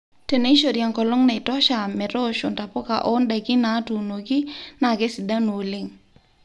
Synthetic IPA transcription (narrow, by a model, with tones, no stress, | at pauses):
te˨ne˦i˦ʃo˨ɾja˨ŋkɔ˨lɔ˦ŋna˨ɪ˨tɔ˦ʃa˨mɛ˨ɾɔ˦ʃʊ˨nta˨pɔ˦ka̰˨ʔɔ˦nda˨kɪ˦na˨˦tu˨no˨ɡi˦na˨ɡɛ˦sɪ˨da˦nu˨lɪ˦ŋ